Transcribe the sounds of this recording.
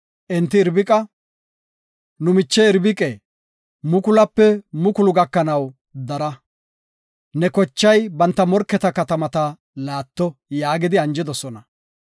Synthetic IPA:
ʔɪnt̪ːɪːɾbɪkʼɐ | nʊmɪt͡ʃːɛɪɾbɪkʼɛ | mʊkʊlɐpːɛmʊkʊlʊɡɐkːɐnɐw | d̪ɐɾɐ | nɛkɔt͡ʃːɐjbɐnt̪ːɐmɔɾkːɛt̪ɐkɐt̪ɐmɐt̪ɐ | laːt̪ːɔjaːɡɪd̪ɪɐnd͡ʒɪd̪ɔsɔnɐ

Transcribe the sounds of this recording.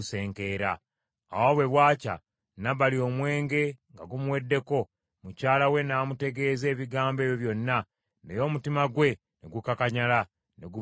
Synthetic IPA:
use̞ːŋke̞ːɾa̰ː | wo̞βwe̞βwaːca̰ | naβalio̞mwe̞ːŋɡe̞ŋɡa̰ɡumuwe̞dːe̞ko̞ | mucaːlawe̞naːmute̞ɡe̞ːze̞ːβiɡaːmbe̞ːβjo̞βjo̞nːa | nejo̞ːmutimaɡwe̞ | neɡukakaɲala | neɡu

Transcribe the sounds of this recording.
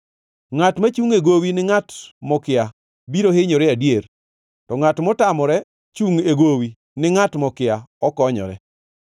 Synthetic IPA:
ŋatmat͡ʃuŋeɡowinɪŋatmɔkɪa | biɾohɪɲɔɾɛadjeɾ | tɔŋatmɔtamɔɾɛ | t͡ʃuŋeɡowi | nɪŋatmɔkɪaɔkɔɲɔ̰ɾɛ̰

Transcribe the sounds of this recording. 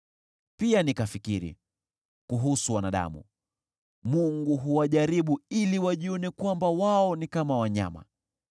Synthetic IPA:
pianikafikiɾḭ | kuɦusuwanaɗa̰mṵ | muŋɡuɦuwaʄaɾiɓuiliwaʄiɔnɛkwambawaɔnikamawaɲa̰ma̰

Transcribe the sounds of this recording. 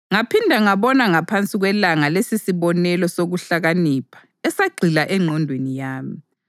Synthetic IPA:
ŋapʰindʱaŋaβɔnaŋapʰant͡sʼiɣwɛlaŋalesisiβɔnɛlɔsoɣuɬaɣaniːpʰḁ | ɛsaɡ͡ǀʱilaʔɛŋ͡ǃʱɔndʱwenijaːmi

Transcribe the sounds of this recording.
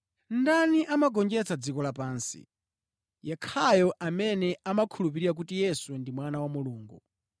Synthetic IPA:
ndaniʔamaɡɔnd͡ʒɛt͡sʰad͡zikɔlapaːnsḭ | jɛkʰajɔʔamɛnɛamakʰulup̬iɾiɾak̬utijɛswɛndimwanawamuluːŋɡu

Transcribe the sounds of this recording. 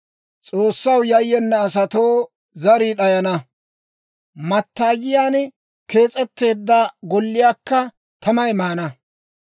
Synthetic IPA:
t͡sʼo̞ːsːɐwjɐjːɛnːɛːsɐt̪o̞ː | zɐɾiːɗɐjɐnɐ | mɐt̪ːaːjɪjaːn | ke̞ːt͡sʼɛt̪ːe̞ːd̪ːɐɡɔlːɪjaːkːɐ | t̪ʰɐmɐjmaːnɐ

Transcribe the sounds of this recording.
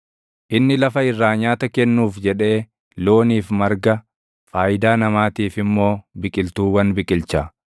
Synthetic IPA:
ʔɪnːɪlɐfɐɪrːaːɲaːt̪ɐkɛnːuːfd͡ʒɛᶑe̞ː | loːniːfmɐɾɡɐ | faːjɪd̪aːnɐmaːt̪iːfɪmːo̞ːbɪkʼɪlt̪uːwɐnbɪkʼɪlt͡ʃɐ

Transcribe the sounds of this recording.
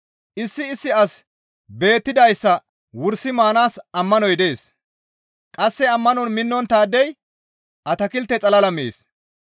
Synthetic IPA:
ʔɪsːɪːsːɪɐs | be̞ːt̪ːɪd̪ɐjsːɐ | wʊɾsɪmaːnaːsɐmːɐnɔjd̪e̞ːs | kʼɐsːɛɐmːɐnɔnmɪnːɔnt̪aːd̪ɛj | ʔɐt̪ɐkɪlt̪ːɛt͡sʼɐlɐlɐmḛːs

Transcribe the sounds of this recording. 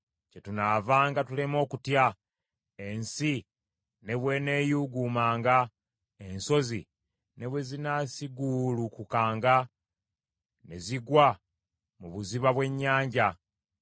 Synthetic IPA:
ce̞tunavaːŋɡatulemo̞ːkutja | ensi | ne̞βwe̞ne̞ːjuɡuːmaːŋɡa | e̞nso̞zḭ | ne̞βwe̞zinasiɡulukukaːŋɡa | ne̞ziɡwa | muβuziβaβwe̞ɲːaːɲɟa

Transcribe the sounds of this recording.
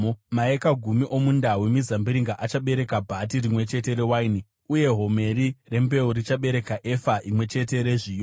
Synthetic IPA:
maekaɡʱumiʔo̞mundawemizambiɾiŋɡaʔat͡ʃaɓe̞ɾe̞kabʱat̬irimwe̞t͡ʃe̞t̬e̞ɾewaini | uje̞ɦo̞me̞ɾire̞mbe̞urit͡ʃaɓe̞ɾe̞kaʔefaʔimwe̞t͡ʃe̞t̬e̞ɾeʐiːjo

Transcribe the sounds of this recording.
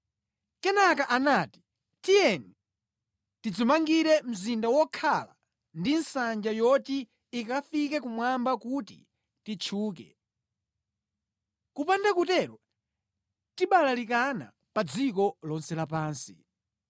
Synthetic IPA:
kɛnakaʔanaːti̥ | tijɛni | tid͡zumaŋɡiɾɛm̩zindawɔkʰala̰ | ndinsand͡ʒajɔtiː | kafikɛkumwambakutḭ | tit͡ʃʰuːk̬ɛ̰ | kupandakutɛɾɔ | tiɓalalikana̰ | pad͡zikɔlɔnsɛlap̬aːnsḭ

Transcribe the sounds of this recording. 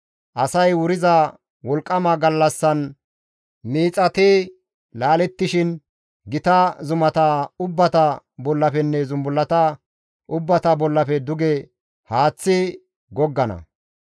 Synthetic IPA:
ʔɐsɐjwʊɾɪzɐ | wɔlkʼːɐmɐɡɐlːɐsːɐn | miːt͡sʼːɐt̪i | laːlɛt̪ːɪʃɪn | ɡɪt̪ɐzʊmɐt̪aʊbːɐt̪ɐbɔlːɐfɛnːɛzʊmbʊlːɐt̪ɐ | ʔʊbːɐt̪ɐbɔlːɐfɛd̪ʊɡɛ | haːt͡sːɪ | ɡɔɡːɐnɐ̰

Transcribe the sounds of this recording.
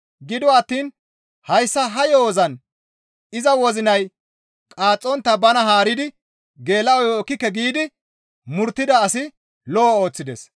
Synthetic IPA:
ɡɪd̪ɔɐt̪ːiːn | hɐjsːɐɦɐjoːzɐn | ɪzɐwɔzɪnɐj | kʼaːt͡sʼːɔnt̪ːɐbɐnɐɦaːɾɪd̪ɪ | ɡe̞ːlːɐɔjoːkːɪkːɛɡiːd̪ɪ | mʊɾt̪ːɪd̪ɐːsɪ | lɔɔo̞ːt͡sːɪd̪ɛs

